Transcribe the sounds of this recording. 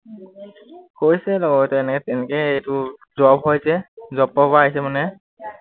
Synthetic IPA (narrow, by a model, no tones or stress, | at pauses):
koɹjsɛlɔɡɔtɛnɛkɛtɛnɛkɛejtuzɔbɦojsɛzɔpːɔbaːɦisɛmanɛ